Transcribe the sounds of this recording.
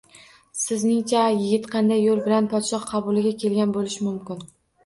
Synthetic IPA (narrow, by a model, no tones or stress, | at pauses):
sɪznɪŋt͡ʃʰajɪɡʲɪt̪qʰɑnd̪ajːolˠbɪlanpʰɒt̪ʃɒχqʰɑbʊlɪɡʲakʲʰe̞lɡʲanbolɪʃɪmʊmkʲɪn